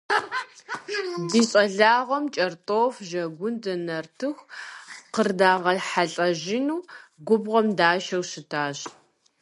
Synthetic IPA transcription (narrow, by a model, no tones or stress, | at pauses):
diːɕʼɐɮaːʁɐmt͡ʃʼɐrtʼoːfʒɐɡʷʊndɐnɐrtʰɨxʷqərdaːʁɐħaɬʼɐʒɪnuːɡʷʊbʁɐmdaːʃɐwʃɪtʰaːɕ